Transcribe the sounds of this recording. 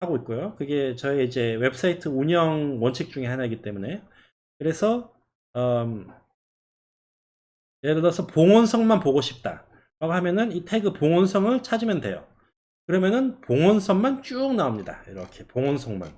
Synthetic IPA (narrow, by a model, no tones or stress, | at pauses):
haɡoit̚k͈ojokɯɡe̞t͡ɕʌeid͡ʑe̞we̞pɯ̥s͈ʰaitʰɯuɲʌŋwʌnt͡ɕʰik̚t͡ɕ͈uŋe̞hanaiɡit͈e̞mune̞ | kɯɾe̞sʰʌ | ʌ | jeɾɯɾʌsʰʌpoŋʌnsʰʌŋmanpoɡoɕʰi̥p̚t͈a̰ | ɾaɡoɦamjʌnɯnitʰeɡɯpoŋʌnsʰʌŋɯɭt͡ɕʰad͡ʑimjʌndwe̞̰jo̰ | kɯɾʌmjʌnɯnpoŋʌnsʰʌŋmant͡ɕ͈uk̚naomɲida̰iɾʌkʰe̞poŋʌnsʰʌŋma̰n